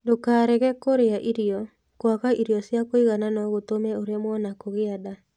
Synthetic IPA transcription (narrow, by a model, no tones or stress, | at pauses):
dokaːɾɛɣɛkoɾeaʔiɾiɔ | kwakaʔiɾiɔsjakoiɣananɔɣotomɛoɾjamwɔnakoɣeada